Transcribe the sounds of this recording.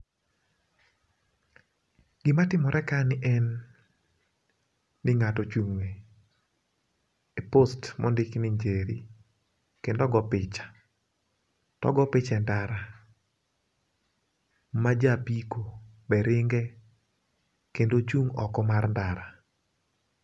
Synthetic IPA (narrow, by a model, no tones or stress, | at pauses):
ɡ̥ɪmatɪmɔɾʔɛkanɪʔɛn | ɪŋatɔt͡ʃuŋwe | epostmɔndɪknɪɲd͡ʒeɾi | kendɔɡɔpɪt͡ʃḁ | tɔ̰ɡɔpɪt͡ʃɛndaɾa | mad͡ʒapikobɛɾɪŋɡɛ | kendot͡ʃuŋɔ̰kɔmarndaɾa